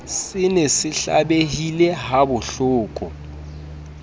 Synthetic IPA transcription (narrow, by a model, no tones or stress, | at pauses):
sɪnɛsɪɬa̰ɓehilɛɦabʊɬʊːkʼɔ